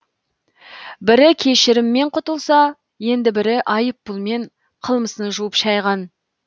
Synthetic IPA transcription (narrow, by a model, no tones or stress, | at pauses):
bɪɾɪkʲʰe̞ʃɪɾɪmːe̞ɴqʰʊt̪əlˠsɑ | je̞nd̪ɪbɪɾɪʔɑjəpːʊlˠme̞ɴ | qʰəlˠməsənʒuwəpʃɑjʁɑn